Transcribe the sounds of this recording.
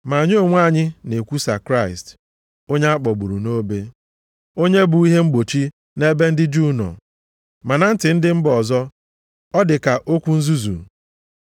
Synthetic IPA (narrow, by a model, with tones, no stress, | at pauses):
ma˨ɲ˦o˨ŋʷ˦a˦˨ɲɪ˦ne˨kʷu˦sa˨kɾa˦˨ɪ˨st | o˦ɲe˦a˦k͡pɔ˨ɡ͡bu˨ɾṵ˨no˦be˦ | o˦ɲe˦bu˨i˦ɦe˦ŋ͡m̩˦ɡ͡bo˨t͡ʃi˦ | ne˦be˦n̩˦dɪ˦d͡ʒu˦nɔ̰˨ | ma˨na˨n̩˦tɪ˨n̩˦dɪ˦m̩˦bɔ˨zɔ˦ | ɔ˦dɪ˨ka˨ʔo˦kʷu˦n̩˦zu˦zṵ˨